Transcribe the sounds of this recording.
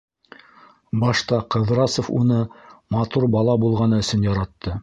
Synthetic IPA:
bɑʃt̪ɑqɤ̆ðɾɑsŏfṵnɤmɑt̪uɾbɑlˠɑbulˠʁɑnɑɵ̆sɵnjɑɾɑt̪ːɤ

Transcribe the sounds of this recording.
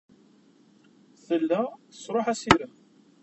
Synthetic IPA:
θəlːæθsˤɾˤoħæsiɾəm

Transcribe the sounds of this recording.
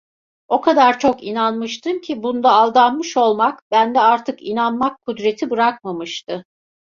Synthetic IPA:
o̞kʰad̪aɾt͡ʃʰo̞kinanmɯʃt̪ʰɯmcʰibund̪aːlˠd̪anmɯʃo̞lˠmakbænd̪ɛaɾt̪ʰɯkḭnanmakʰːud̪ɾe̞t̪ʰibɯɾakmamɯʃt̪ɯ

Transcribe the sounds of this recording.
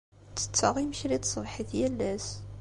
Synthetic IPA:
t͡sːə̥t͡sːɑʁiməʃlit̪sˤvħiðjælːæs

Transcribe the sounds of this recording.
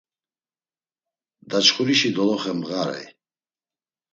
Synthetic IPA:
d̪at͡ʃχuɾiʃid̪ɔlɔχɛmɣaɾɛ̰j

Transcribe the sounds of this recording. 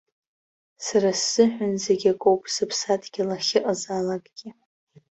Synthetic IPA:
sarasːɨħʷᶣʊnze̞ɡʲakʼowpʼsɨpʰsatʰʼɡʲilaχʲɪʔʼazalakʼɡ̥ʲi

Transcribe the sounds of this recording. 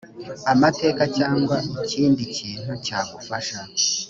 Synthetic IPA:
amate̞ːkat͡ʃaːŋɡwaiciːndiciːn̥hucaːɡufaʃa

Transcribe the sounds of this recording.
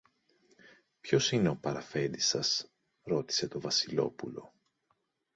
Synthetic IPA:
pço̞sine̞o̞pɐɾɐfe̞nd̪isɐs | ɾo̞t̪i̥se̞t̪o̞vɐsilo̞̰pulo̞

